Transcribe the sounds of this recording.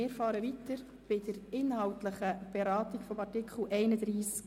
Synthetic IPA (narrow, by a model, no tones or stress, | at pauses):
ɪːɾfɑːɾəvitəɾ | b̥ɪd̥əɾɪnɦɑwtləχəb̥ɛɾɑːtikfɔmɑrtikχl̩ʔɛɪnədriːsk